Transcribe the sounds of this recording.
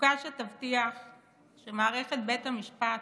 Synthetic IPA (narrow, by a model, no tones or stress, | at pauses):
kaʃetavt̪iaχ | ʃemaːʁeχet̪̚bethamiʃpat